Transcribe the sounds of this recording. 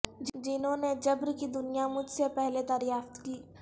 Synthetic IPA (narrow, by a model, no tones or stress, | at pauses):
d͡ʒd͡ʒɪnɦõned͡ʒɐbɾkid̪ʊnijamʊd͡ʒʱsepɛɦled̪aːɾjaːft̪kiː